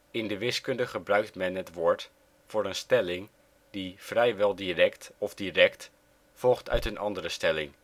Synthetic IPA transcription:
ɪndəʋɪskɵndəχəbrœɥk̚tmɛnətʋʊːɹt | fʊːɾənstɛlɪŋ | difrɛjʋɛlˠdirɛktɔvdirɛkt | fɔlˠχtʰœ̰ɥtənɑndəɾəstɛlɪŋ

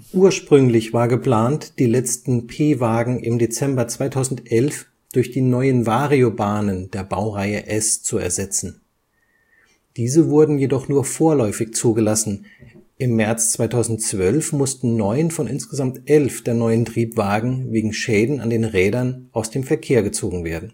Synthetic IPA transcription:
ʔuːɐʃpʁ̥ʏŋlɪçv̥aːɐɡəpl̥aːntd̥iːlɛt͡stn̩pʰeːvaːɡŋ̩ʔɪmdet͡sɛmbɐt͡sv̥aɪtʰaʊzn̩tʔɛlf | d̥ʊɐçd̥iːnɔʏənvaːʁiobaːnənd̥eːɐbaʊʁaɪəʔɛst͡suɛ̰ɐzɛt͡sn̩ | d̥iːzəvʊɐdn̩jedɔχnuːɐfoːɐlɔʏfɪçt͡suːɡəlasn̩ʔɪmːɛɐt͡st͡sv̥aɪtʰaʊzn̩tt͡sv̥œlfmʊstn̩nɔʏnfɔnɪ̰nsɡ̥əzamtʔɛlfd̥eːɐnɔʏəntʁ̥iːpv̥aːɡŋ̩veːɡŋ̩ʃɛːdn̩a̰ndeːnʁɛːdɐnʔaʊsd̥eːmfɛɐkʰeːɐɡət͡soːɡŋ̩veːɐdn̩

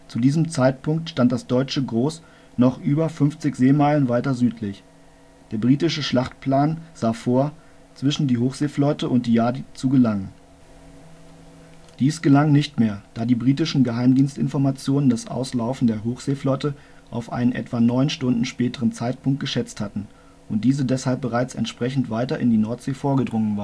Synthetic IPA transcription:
t͡sudiːzəmt͡saɪt̚pʊŋktʃtantd̥asd̥ɔʏt͡ʃəɡʁoːs | nɔχʔyːbɐfʏnft͡sɪçz̥eːmaɪlənvaɪtɐzyːtʰlɪç | d̥eːɐbʁiːtɪʃəʃlaχt̚pʰlaːnz̥aːfoːɐ | t͡sv̥ɪʃn̩diːɦoːxz̥eːflɔtəʔʊntd̥iːjaːɐdit͡suɡəlaŋən | d̥iːsɡ̥əlaŋnɪçtmeːɐd̥aːdiːbʁiːtɪʃn̩ɡəɦaɪmdiːnstɪ̰nfɔɐmat͡sjoːnəndasʔa̰ʊslaʊfn̩deːɐɦoːxz̥eːflɔtə | ʔa̰ʊfʔa̰ɪnənʔɛ̰tv̥anɔʏnʃtʊndn̩ʃpɛːtəʁənt͡saɪt̚pʊŋk̚t̚ɡ̥əʃɛt͡sthatn̩ | ʔʊnt̚d̥iːzədɛshalp̚bəʁaɪt͡sɛ̰ntʃpʁ̥ɛçn̩tv̥aɪtɐʔɪndiːnɔɐtz̥eːfoːɐɡədʁʊŋənvaːɐ

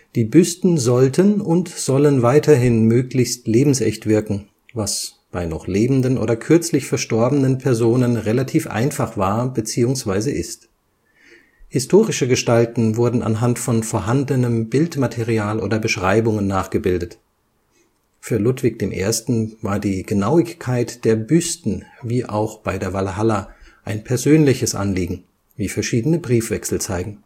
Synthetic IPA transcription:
d̥iːbʏstn̩zɔltʰənʊntz̥ɔlənvaɪtʰɐɦɪnmøːklɪçstleːbm̩sɛ̰çtv̥ɪɐkŋ̩ | vasb̥aɪnɔχleːbm̩dənʔo̰ːdɐkʰʏɐt͡slɪçfɛɐʃtɔɐbənənpʰɛɐzoːnənʁelatʰiːfʔa̰ɪnfaχv̥aːɐbət͡siːʊŋsv̥aɪzəʔɪst | hɪstʰoːʁɪʃəɡəʃtaltn̩vʊɐdn̩a̰nɦantfɔnfoːɐɦandənəmbɪltmatʰeʁiaːlʔo̰ːdɐbəʃʁ̥aɪbʊŋənːaːχɡ̥əbɪldət | fyːɐlʊtv̥ɪk̚d̥eːmʔḛːɐstn̩vaːɐdiːɡ̥ənaʊɪçkʰaɪtd̥eːɐbystn̩viːʔaʊxb̥aɪdeːɐvalaɦalaʔaɪnpʰɛɐzøːnlɪçəsʔa̰nliːɡŋ̩ | viːfɛɐʃiːdənəbʁiːfv̥ɛksl̩t͡saɪɡŋ̩

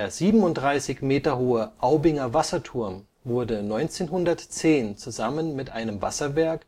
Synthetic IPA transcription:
eːɐziːbm̩ʊntd̥ʁaɪsɪçmeːtɐhoːəʔaʊbɪŋɐvasɐtʰʊɐm | vʊɐdənɔʏnt͡seːnɦʊndɐtt͡seːnt͡suzamənmɪtʔaɪnəmva̰sɐvɛɐk

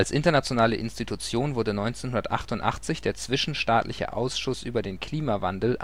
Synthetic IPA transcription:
alsʔɪntɐnat͡sjonaːləʔɪ̰nstitʰut͡sjoːnvʊɐdənɔʏnt͡seːnɦʊndɐtʔa̰χtʊntʔa̰χt͡sɪçd̥eːɐt͡sv̥ɪʃn̩ʃtaːtlʔɪ̰çə̰ʔa̰ʊsʃʊsʔyːbɐdeːnkʰl̥iːmavandl̩

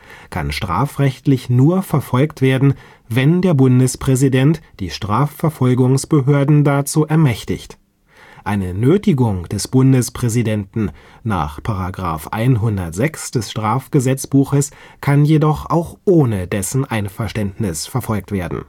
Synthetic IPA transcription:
kʰa̰nʃtʁ̥a̰ːfʁɛçtlɪçnuːɐfɛɐfɔlktv̥eːɐdn̩ | vɛndeːɐbʊndəspʁ̥ɛzidɛntd̥iːʃtʁ̥aːfɛɐfɔlɡʊŋsb̥əɦøːɐdn̩dat͡suːʔɛɐmɛçtɪçt | ʔaɪnənøːtɪɡʊŋd̥ɛsb̥ʊndəspʁ̥ɛzidɛntn̩ | na̰ːχpʰaʁaɡʁa̰ːfʔa̰ɪnɦʊndɐtz̥ɛksd̥ɛsʃtʁ̥aːfɡ̥əzɛt͡sb̥uːxəs | kʰanjedɔχʔa̰ʊxʔoːnədɛsn̩ʔaɪnfɛɐʃtɛntnɪsfɛɐfɔlk̚tv̥eːɐdn̩

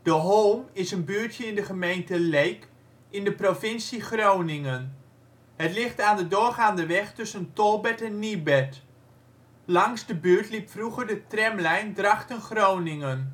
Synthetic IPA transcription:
d̥əɦolˠmɪsənbyːtjəɪndəχəmejntəlejk | ɪndəprofɪnsiχrownɪŋən | ɦətlɪχtaːndədʊːrχaːndəʋɛχtɵsəntɔlˠbɛtɛnːibɛt | lɑŋzdəbyːɹtlipfruχərdətrɛmlɛjndrɑχtənχrownɪŋən

